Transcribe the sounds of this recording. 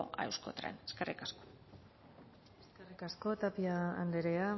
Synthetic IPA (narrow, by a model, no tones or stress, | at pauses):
o̰ʔa̰ewsko̰t̪ɾḛneskerikasko̥ | eskerikasko̞t̪apiaand̪eɾea